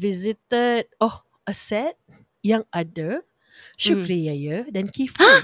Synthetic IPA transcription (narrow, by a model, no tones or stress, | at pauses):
vizit̪əd̚ɔ | əsɛt̪̚ | jãŋadə | ʃukɾiajədɛnkif